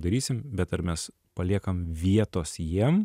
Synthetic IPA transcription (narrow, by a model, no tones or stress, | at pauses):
d̪ɐɾʲiːsʲɪmbʲɛt̪ɐɾmʲɛs | pɐlʲiɛkɐmʋʲiɛt̪oːsjiɛm